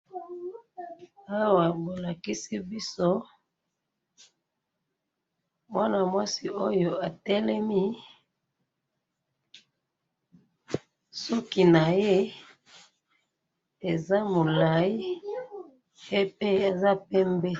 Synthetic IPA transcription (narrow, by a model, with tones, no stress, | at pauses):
a˦wa˨bo˨la˨ki˦si˦bi˦so˦ | mwa˦na˨mwa˦si˨o˦jo˨a˨tɛ˦lɛ˦mi˦ | sɔ˦ki˦na˨je˦ | e˨za˦mo˨la˨i˦ | e˦pe˦e˨za˦pɛ˦mbɛ˦